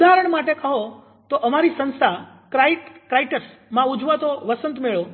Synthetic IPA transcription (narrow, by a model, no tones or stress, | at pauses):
ud̪ʱaɦɾəɳ̃maʈekəɦo | t̪oʔəmaɾisə̃nst̪ʰa | kɾaiʈkɾajʈəɾs | mãud͡ʒʋat̪oʋəsənt̪meɭo